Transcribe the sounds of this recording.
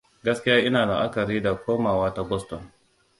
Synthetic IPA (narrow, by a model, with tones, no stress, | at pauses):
ɡɐ˦skʲɪ˦jaː˦ʔɪ˦naː˨da̰˨ʔa˦kɐ˨ɾiː˦da˨kʷoː˦maː˨waː˦ta˦ɡɔ˦stɔ˨n